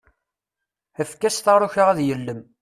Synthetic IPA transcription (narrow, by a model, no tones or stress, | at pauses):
æfkːæst̪ɑɾˤʊçaʁæðjəlːəm